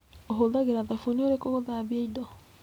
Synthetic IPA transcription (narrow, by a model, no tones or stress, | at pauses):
oɦoðaɣeɾaðafonioɾekoɣoðaβieidɔ